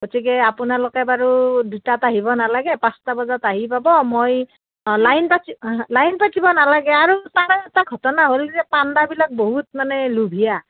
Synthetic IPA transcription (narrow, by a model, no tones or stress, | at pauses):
ɡotikɛapunalokɛbaɹudutataɦibɔnalaɡɛpãstabɔzataɦipabɔmoj | lajnpatilajnpatibɔnalaɡɛaɹutaɽɔɛtaɡʱɔtɔnaɦolkizɛpandabilak̚boɦutmanɛlubʱija